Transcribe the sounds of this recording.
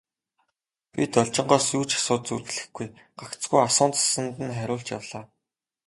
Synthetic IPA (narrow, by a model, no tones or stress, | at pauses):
pʲit̪ɔɮt͡ɕɪ̆ɴɢɔːsjuːt͡ɕʰḁsʊːt̪̚t͡surɣɘ̆ɮɘ̆xɡuj | ɢ̥akt͡sɡujasʊːnt͡sḁsə̆nt̪ɘ̆nχæɾʲʊːɬt͡ɕja̰wɮaː